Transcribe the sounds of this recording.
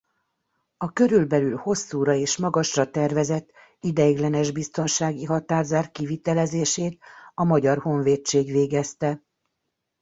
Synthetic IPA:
ɒkø̞ɾylbɛlylho̞sːuːɾɒeːʃmɒɡɒʃrɒt̪ɛrvɛzɛt̪ː | id̪ɛiɡlɛnɛʒbist̪o̞nʃaːɡiɦɒt̪aːrzaːrkivit̪ɛlɛzeːʃeːt̪ɒmɒɟɒrho̞ɱveːt͡ʃːeːɡʋeːɡɛst̪ɛ

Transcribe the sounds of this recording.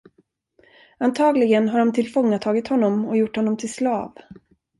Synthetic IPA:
ant̪ʰɑːɡlɪɡənɦaɖɔmt̪ʰɪlfɔŋːat̪ʰɑːɡɪt̪hɔnːɔmɔjʊʈːhɔnːɔmt̪ʰɪlslɑ̰ːv

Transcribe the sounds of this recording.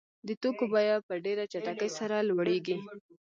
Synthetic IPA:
d̪ət̪okobajapəɖeɾat͡ʃaʈakəjsaɾalwaɽeɡi

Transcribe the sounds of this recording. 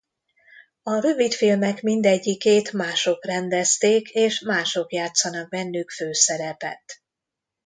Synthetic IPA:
ɒɾø̞vit̪filmɛkmind̪ɛɟːikeːt̪maːʃo̞krɛnd̪ɛst̪eːkʰeːʃmaːʃo̞kjaːt̪sːɒnɒɡ̚bɛnːykføːsɛɾɛpɛ̰t̪

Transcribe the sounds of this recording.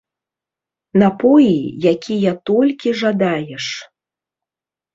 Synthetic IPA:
nɐpɔjijakʲʰijɐt̪ɔlʲkʲiʐad̪ajɛʂ

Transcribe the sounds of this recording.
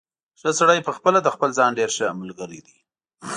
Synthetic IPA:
ʃəsaɽajpəxpəlad̪əxpəlzɑnɖeɾʃəməlɡəɾid̪i

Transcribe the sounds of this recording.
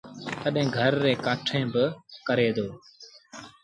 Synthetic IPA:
t̪əɗɦẽːɡʱəɾːeːkaːʈʰẽːbɪkəɾeːd̪oː

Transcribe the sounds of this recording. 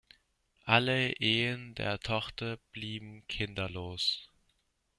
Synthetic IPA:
ʔaləʔeːəndḛːɐtʰɔχtɐb̥liːbm̩kʰɪndɐloːs

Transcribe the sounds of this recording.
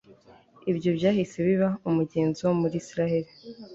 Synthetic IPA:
ibɟo̞bɟaːhise̞βiβaumuɟe̞ːnziwomuɾiːsiɾahe̞ɾi

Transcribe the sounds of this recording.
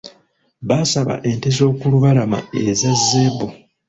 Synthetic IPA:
βasaβa̰ʔe̞ntezo̞ːkuluβalama̰ezazːebo

